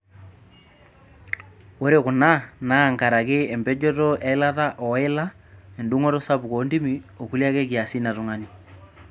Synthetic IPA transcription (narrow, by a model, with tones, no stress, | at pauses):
wo˦ɾe˦kʊ˨na˦na˦˨ŋka˨ɾa˨kɪ˦ɛ˨mbɛ˦d͡ʒɔ˦tɔ˦ʔɛ˨˦ɪ˦la˦ta˦ʔɔ˨ɪ˦la˦ | ɛ˨ndʊ˦ŋɔ˦ɾɔ˦sa˦bko˨˦ndi˦mi˨o˨ku˦lja˦kɛ˦ki˨a˨si˦na˨tʊ˨ŋani˨